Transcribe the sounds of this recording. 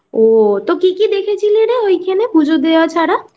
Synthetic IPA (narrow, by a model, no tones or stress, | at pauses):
ot̪okikid̪ekʰet͡ʃʰileɽeojkʰenepud͡ʒʱod̪ejat͡ʃʰaɽa